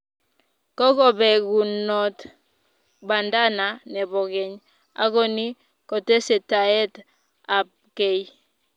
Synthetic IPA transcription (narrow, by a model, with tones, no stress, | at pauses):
kɔ˦kɔ˨bɛ˨ɡu˨nɔ˨t | ba˨nda˦na˨nɛ˨bɔ˨ɡɛ˨ɲ | a̰˦kɔ˦ni˦ | kɔ˨te˦se˨ta˨ɛ˦t | a˨p̚ke˦j